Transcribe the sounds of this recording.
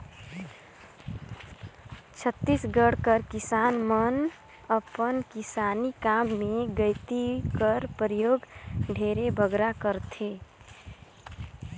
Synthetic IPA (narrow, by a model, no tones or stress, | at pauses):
t͡ʃʰət̪ːisɡəɽkəɾkɪsanmən | əpənkɪsanikamːeɡəɪt̪ikəɾpəɾjoːɡɖʱeɾebʱəɡɾakəɾt̪ʰe